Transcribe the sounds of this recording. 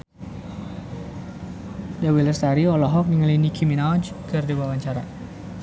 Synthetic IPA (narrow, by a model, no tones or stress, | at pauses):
dawiləst̪aɾiɔlɔɦɔk̚niŋəlinikʰiminald͡ʒkɨrdiwawaɲt͡ʃaɾa